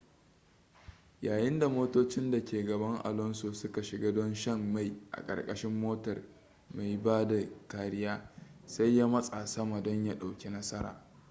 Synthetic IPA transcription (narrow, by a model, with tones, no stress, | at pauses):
jaː˨jɪ˦nda˨moː˦toː˦t͡ʃɪ˦nda˨kʲeː˨ɡɐ˨bɐ˦ŋʔa̰˨lɔ˦nsoː˨sʊ˦ka˨ʃɪ˨ɡaː˦dɔ˦nʃɐ˦mːa˨jʔa̰˨kʼɐ̰˨rkʼɐ˦ʃɪ˦mːoː˦tɐ˨r | ma˨jbaː˦da˨kaː˨ɾɪ˦jaː˦sa˦jjːa˦mɐ˦sʼa˨sɐ˦ma˨dɔ˦ɲja˦ɗa˨wkʲe˦nɐ˦sɐ˦ɾa̰ː˨